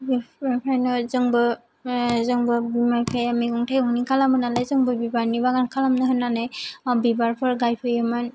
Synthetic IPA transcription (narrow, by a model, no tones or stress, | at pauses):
bipapʰɾajnɔzɯŋbɯ | zɯŋbɯbimaɾpʰajamiɡɔŋtʰajɔŋnikʰalamɯnalajzɯŋbɯbibaɾnibaɡankʰalamnɯɦɯnːanajɔbibaɾpʰɯɾɡajpʰɯjɯman